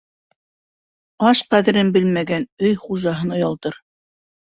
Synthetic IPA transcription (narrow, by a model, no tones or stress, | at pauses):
ɑʃqæðɘ̆ɾɘnbɘlmæɡænɵjχuʒɑɦɤnŏjɑlˠt̪ɤɾ